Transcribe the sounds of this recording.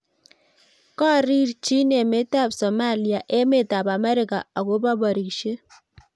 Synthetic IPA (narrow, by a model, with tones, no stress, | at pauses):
kɔ˦ɾi˦ɾt͡ʃi˦ne˨me˦ta˦˨psɔ˨ma˦˨li˨a˨ʔe˦me˨ta˨pa˨mɛ˦ɾɪ˨ka̰˨a˨ko˦pa˦ba˨ɾi˨kʃe˦